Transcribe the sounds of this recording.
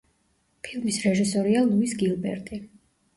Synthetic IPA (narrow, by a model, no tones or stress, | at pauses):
pʰilˠmisɾɛʒisɔɾialˠuisɡilˠbɛ̰ɾt̪ʼi